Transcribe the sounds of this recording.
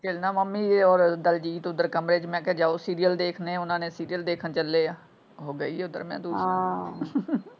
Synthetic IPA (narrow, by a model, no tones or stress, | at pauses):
kelnaːməmːiːɔːɾd̪əld͡ʒiːt̪ʊd̪əɾkəmɾeːt͡ʃmɛ̃ːkɛd͡ʒaːoːsiːɾijəld̪eːkʰnẽːʊnãːnẽːsiːɾijəld̪eːkʰənt͡ʃəlːeː | ɦoːɡəiːɦɛːʊd̪ə̰ɾmɛ̰̃ːd̪uːɦ